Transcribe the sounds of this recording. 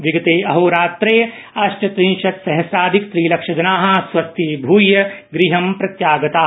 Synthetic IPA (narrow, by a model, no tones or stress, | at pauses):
ʋiɡɐt̪eːɐɦoːɾaːt̪ɾeː | ɐʃʈɐt̪ɾĩnʃɐt̪sɐɦɐsaːd̪ʱikt̪ɾiːlɐkʂɐd͡ʒɐnaːɦɐ̆sʋɐst̪iːbʱuːjjɐɡɾiɦɐmpɾɐt̪jaːɡɐt̪aː